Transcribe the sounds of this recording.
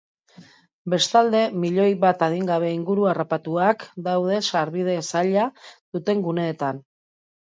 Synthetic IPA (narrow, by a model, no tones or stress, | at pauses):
be̞st̪ald̪e̞miʎo̞jβat̪aðiŋɡaβ̞e̞iŋɡuɾuarapat̪uakd̪awð̞e̞saɾβið̞e̞saʎaðut̪e̞ŋɡune̞ːt̪an